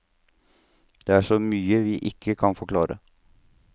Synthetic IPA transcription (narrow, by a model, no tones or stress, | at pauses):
d̪̥eːæʂɔmyːəʋiːʔɪkʰːəkʰɑnfɔɾkʰlɑːɾə̰